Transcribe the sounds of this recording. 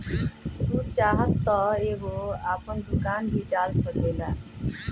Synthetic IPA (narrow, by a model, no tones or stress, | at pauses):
t̪ũːt͡ʃaːɦət̪ːəeːɦoːaːpənd̪ʊkaːnbʱiːɖaːlsəkeːlaː